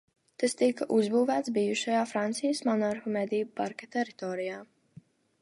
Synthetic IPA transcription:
t̪ast̪ikaʔuzbuːvæːt̪sbijuʃajaːfɾant̪sijəsmɔnaɾfɔmɛd̪ijupaɾkʲat̪ɛɾit̪ɔːɾijaː

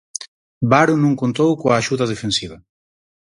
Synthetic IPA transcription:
baɾunũŋkont̪owkoaːʃuðɐðefensiβɐ

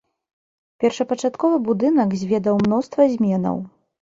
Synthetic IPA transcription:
pʲɛrʂɐpɐt͡ʂat̪kɔvɨbud̪ɨnɐɡzʲvʲɛd̪ɐwmn̪ɔst̪vɐzʲmʲɛnɐ̰w

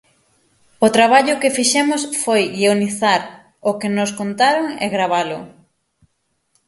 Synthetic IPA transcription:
ʊt̪ɾaβaʎʊkɪfiʃɛmʊsfojɣioniθaɾ | ʊkenoskont̪aɾoŋɛ̰ɣɾaβ̞alʊ

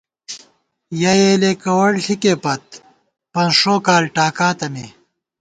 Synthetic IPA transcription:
jɐjeːlekɐwɐɽɬʰikepɐt̪̚ | pɐ̃nʂoːkaːlʈaːkaːt̪ɐme

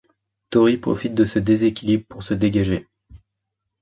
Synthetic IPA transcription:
t̪ɔʁipχɔ̰fit̪̚d̪əsəd̪ezekʲilibʁəpuʁsəd̪eɡaʒe

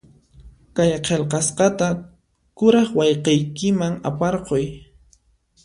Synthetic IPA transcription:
kajqʰelqɑsqɑt̪a | kʊɾɑχwɑjqejkɪmaŋa̰pɑɾqoj

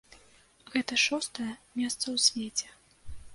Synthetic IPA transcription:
ɣɛt̪ɐʂɔst̪ɐjɐmʲɛst̪sɐwsʲvʲet͡sʲɛ

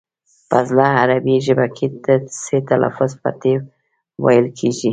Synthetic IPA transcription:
pazlɑaɾabiʒəbakʰed̪əset̪alʔa̰fʊzpa̰t̪e | wa̰jəlkʰeʒi

